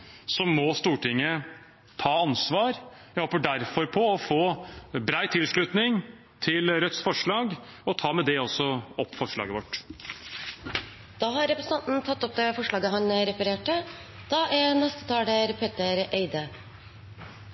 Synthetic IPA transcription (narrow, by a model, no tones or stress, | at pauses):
sɔmːɔst̪uːʈʰɪŋːə | t̪ʰɑːɑnsʋɑːɾjæhoːpəɖæɾfɔɾpʰɔɔfoːbɾæɪt̪ʰɪlʂɭʉt̪nɪŋ | t̪ʰɪlɾœt̪sfɔʂɭɑːɡ | ɔt̪ʰɑːmɛd̪ɛɔsːɔɔpːfɔʂɭɑ̰ːɡəʋɔʈː | d̪̥ɑːɦɑɾɛpɾəsən̩t̪ɑnt̪n̩t̪ʰɑt̪ːɔp̚d̪ɛfɔʂlɭɑːɡəɦɑnɾɛfəɾeːʈəd̪̥ɑːʔænɛst̪ət̪ʰɑːɽəɾpʰeːt̪əɾʔeɪd̪ə